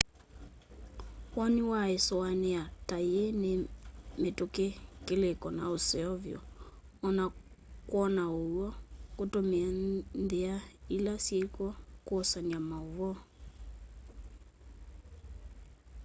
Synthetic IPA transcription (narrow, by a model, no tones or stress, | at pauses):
wɔniwaesɔanɛatajenemetokekelekɔnaosɛɔvjɔ̰ː | na | kwɔnaowɔkotomeandeailasjekwɔkwɔsaniamaovɔ